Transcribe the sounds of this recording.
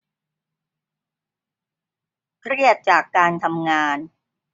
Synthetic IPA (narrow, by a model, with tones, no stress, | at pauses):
kʰɾi˥˩ət̪̚t͡ɕaː˨˩kːaː˧nt̪ʰa˧mŋaː˧n